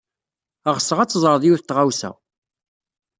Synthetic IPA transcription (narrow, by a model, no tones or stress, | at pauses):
əʁəsːəʁæt͡sːzˤɾˤðˤjuwθt̪ːʁawsæ̰